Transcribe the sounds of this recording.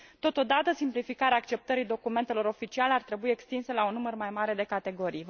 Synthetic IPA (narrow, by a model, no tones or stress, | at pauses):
t̪o̞t̪o̞d̪at̪əsimplifikaɾeaːkt͡ʃe̞p̚t̪əɾijd̪o̞kume̞nt̪elo̞ɾo̞fit͡ʃialeart̪ɾe̞buiekst̪inselaunːumərmajmaɾe̞d̪e̞kat̪e̞ɡo̞ɾij